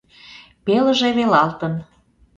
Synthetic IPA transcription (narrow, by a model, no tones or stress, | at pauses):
pelə̆ʒeβelɑlt̪ən